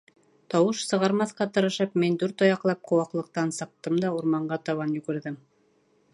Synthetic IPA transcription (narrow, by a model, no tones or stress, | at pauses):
t̪ɑwɤʃsɤ̆ʁɑɾmɑθqɑt̪ɤ̆ɾɤ̆ʃɤpmind̪uɾt̪ojɑqlˠɑp̚qʰŏwɑqlˠɤ̆q̚t̪ɑnsɤ̆q̚t̪ɤmd̪ɑuɾmɑɴɢɑt̪ɑβɑnjʉɡɘ̆ɾðɘm